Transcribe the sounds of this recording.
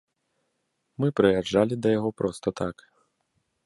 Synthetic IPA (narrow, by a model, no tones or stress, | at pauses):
mɨpɾɨjad͡ʐːalʲid̪ɐjaɣɔpɾʔɔst̪ɐt̪ak